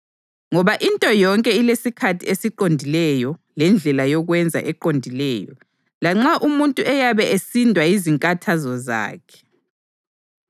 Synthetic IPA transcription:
ŋɔβaʔintʼɔjɔŋkʼɛilesikʰatʰiesiǃondʱilɛjɔlɛnd͡ɮʱɛlajɔɣwɛnd͡zʱa̰ʔɛǃondʱilɛːjɔ̰ | laŋ͡ǁaʔumuntʼuʔɛjaβɛʔesindʱwaiziŋkʼatʰazɔza̰ːkʰɛ̥

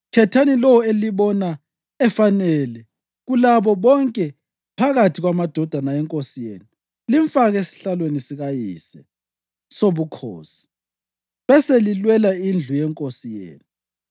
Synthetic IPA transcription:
kʰɛtʰanilɔweliβɔna | ɛfanɛlɛ | ɣulaβɔβɔŋkʼɛ | pʰaɣatʰiɣwamad̥ʱɔd̥ʱanaɛŋkʼosijḛːnu | liɱfaɣesi̥ɬalwenisiɣajḭsɛ | soβukʰo̰ːsi̥ | βɛselilwɛlaind͡ɮʱujɛŋkʼosijḛːnu

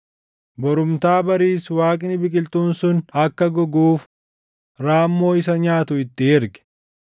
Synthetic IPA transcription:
bɔɾʊmt̪aːbɐɾiːswaːkʼɪnɪbɪkʼɪlt̪uːnsʊnɐkːɐɡɔɡuːf | ɾaːmːo̞ːɪs̬ɐɲaːt̪ʊɪt̪ːɪɪɾɡɛ̥

